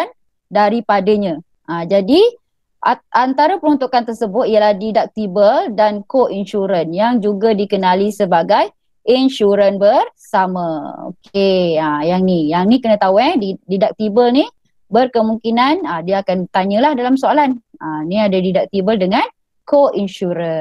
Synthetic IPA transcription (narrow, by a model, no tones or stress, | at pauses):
an | daɾipadaɲã | ʔad͡ʒadi | ʔaant̪aɾapəɾunt̪ukant̪ərsəbʊt̪̚ijəlahdidak̚t̪ibəldankoʔinʃuɾənjaŋd͡ʒuɡadikənalisəbaɡaj | inʃuɾənbərsamao̰keəjaŋnijaŋnikənə̃t̪auɛddidak̚t̪ibəlni | bərkəmuŋkinanədiaːkant̪aɲə̃lahdalamsoalananiadadidak̚t̪ibəldəŋan | koʔinʃuɾə